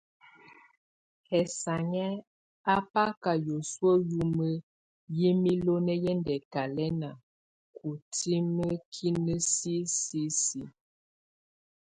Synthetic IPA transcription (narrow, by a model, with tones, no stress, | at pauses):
hɛ˨sa˨ɲɛ˦ | a˦pa˦ka˨jo˨swə˦ju˦mə˦ | ji˦mi˦lo˦nɛ˦jɛ˦ndɛ˨ka˨lɛ˦na˨ | kʰu˨ti˦mə˦kʰi˦nə˦si˦si˦si˨